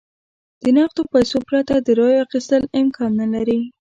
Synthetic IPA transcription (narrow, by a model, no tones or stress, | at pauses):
d̪̥ənɑqt̪opajsopɾat̪ad̪əɾɑjoaxist̪əlɪmkʰɑnːalaɾi